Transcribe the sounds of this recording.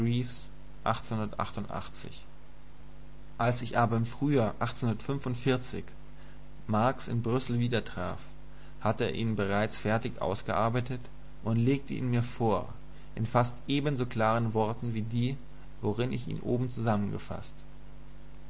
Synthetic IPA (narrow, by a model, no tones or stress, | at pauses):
bʁiːfs | ʔa̰χt͡senhʊndɐtʔa̰χtʊntʔa̰χt͡sɪ̰ç | ʔalsɪçʔaːbɐɪmfʁ̥yːaːʔaχtt͡senhʊnɐtfʏnfʊntfɪɐt͡sɪ̰ç | maɐksɪ̰nbʁʏsl̩viːdɐtʁ̥a̰ːf | hatəḛːɐʔḭːnbəʁ̞aɪt͡sfɛɐtɪçʔa̰ʊsɡ̥əʔaɐbaɪtət | ʔʊntleːk̚tʰəʔḭːnmiːɐfoːɐ | ʔɪnfastʔeːbənzoːkl̥aːʁənvɔɐtn̩viːdiː | voʁɪnɪ̰çḭːnʔo̰ːbm̩t͡suzamənɡə̰fa̰st